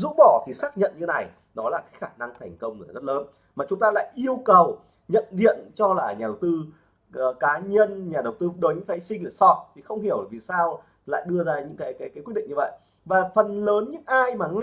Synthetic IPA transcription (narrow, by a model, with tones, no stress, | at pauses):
zṵ˧˥ɓɔ˧˩t̪ʰi˨˩saː˦˥k̚ɲə̰˧˨nɲɨ˧t̪ʰe˨˦na˨˩j | nɔ˨˦laː˨˩kaː˨˦jxaː˧˩na˧ŋt̪ʰɛ˨˩ŋ̟kə˧wŋ͡mlːzə˦˥t̚ləː˨˦n | maː˨˩t͡ɕʊ˨˦ŋ͡mt̪aː˧la̰ː˧˨jʔi˧əwkə˨˩w | ɲə̰˧˨nɗḭ˧˨ənt͡ɕɔ˧laː˨˩ɲaː˨˩ɗə˨˩wt̪ɨ˧˨ | kaː˨˦ɲə˧nɲaː˨˩ɗə˨˩wt̪ɨ˧ɗo˨˦jɲɨ̰˧˥ŋfaː˨˦sï˧ŋɗə˧˩sɔ˨˦˩t̚t̪ʰi˨˩xə˧wŋ͡mhi˧˩əwvi˨˩saː˧w | la̰ː˧˨jɗɨ˧əzaː˧ɲɨ̰˧˥ŋkaː˨˦jkaː˨˦jkaː˨˦ki˦˥t̚ɗḭ˧˨ŋɲ˧və̰˧˨j | vaː˨˩fə˨˩nləː˨˦nɲɨ̰˧˥ŋʔaː˧jmaː˨˩ŋ